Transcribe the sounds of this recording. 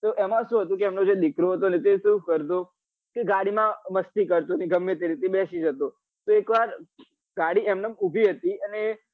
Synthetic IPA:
t̪oʔɛmãʃũɦət̪ũkeɛmnod͡ʒed̪ɪkɾoɦət̪onet̪esũkəɾt̪o | keɡaɽimãməst̪ikəɾt̪oneɡəmːet̪eɾit̪eɓɛʃid͡ʒət̪o | t̪oekʋaɾ | ɡaɽiɛmnəmubʱiɦət̪iəne

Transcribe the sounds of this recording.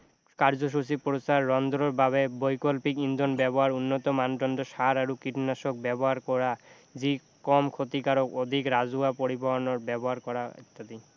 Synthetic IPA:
kaɾd͡ʑoʃ̬usipɾosaɾːɔnd̪ɾoɾbaβebɔjkolpikind̪ʱonbɛboɦaɾunːot̪ɔmand̪ɾɔnd̪oʃaɾaɾukiʈnaʃok̚bɛboɦaɾkɔɾa | d͡ʑi | kɔmkʰot̪ikaɾokod̪ʱikɾad͡ʑuapoɾiboɦonoɾbɛboɦaɾkɔɾaḭt̪ːad̪i

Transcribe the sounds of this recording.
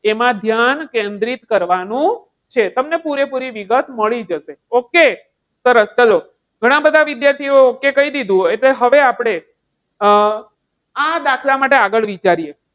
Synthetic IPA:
emãd̪ʱjankend̪ɾit̪kəɾʋanũ | t͡ʃʰet̪əmnepuɾepuɾiʋiɡət̪ʰməɭid͡ʒəʃeoke | səɾəst͡ʃalo | ɡʱəɽ̃ãbəd̪ʱaʋid̪jaɾt̪ʰioːkekəid̪id̪ʱũɦeʈleɦəʋeapɽ̃e | ãd̪akʰlamaʈeaɡəɭʋit͡ʃaɾije

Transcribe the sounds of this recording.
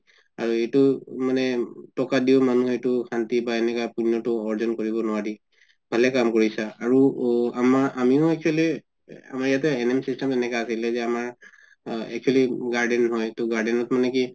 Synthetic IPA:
a̰ɹuetumanɛtɔkadiʊmanuɦejtukʰantibaɛnɛkapunːɔtʊɔɹzɔnkɔɹibɔnɔwadi | bʱalɛkamkɔɹisaaɹuamaʔamiʊɛkʰali | a̰maɹijatɛɛnɛmsistɛmɛnɛkaːsilɛzɛamaɹ | ɛ̰kʰualiɡaɹdɛnɦɔjtɔɡaɹdɛnɔtmanɛki

